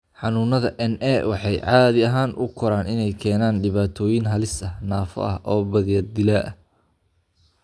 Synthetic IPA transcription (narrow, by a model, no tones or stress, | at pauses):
ħɑnuːnɐðɐʔɛnʔɛwɑħɑjʕɑːðɪɐɦaːnʔʊ̰kʰʊɾaːnɪnɛjkʰɛːnaːnɖɪβaːt̪ʰɔːjɪnɦɐlɪsɐhnaːfɔ̰ʔɐ̰hʔɔːbɐðɪjɐd̪ɪlɐʔɐ̰